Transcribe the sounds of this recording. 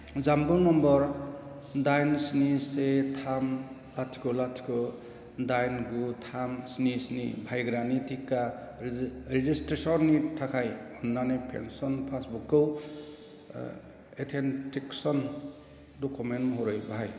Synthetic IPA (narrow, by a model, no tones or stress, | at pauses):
zambɔnɔmbɔɾ | dajnsnisetʰam | atʰi̥kɔlatʰi̥kʰɔ | dajnɡutʰamsnisnḭbʱajɡɾanitʰikːa | ɾizistɾesɔnːitʰakʰajɔnːanepʰḛnsɔnpʰasbukːɔw | etʰentʰiksɔn | dɔkumentmɔɦɔɾɯjbaɦaj